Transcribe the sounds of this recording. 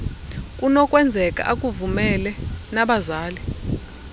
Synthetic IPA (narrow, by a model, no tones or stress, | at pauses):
kʼunɔkʼwɛnd͡zʱɛkʼa̰ʔak̬ʼuvumɛlɛnaɓazaːli